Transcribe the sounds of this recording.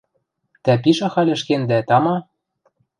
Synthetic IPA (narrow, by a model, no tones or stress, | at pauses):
t̪æpiʃɑ̆xɑlʲɘ̆ʃkend̪æt̪ɑmɑ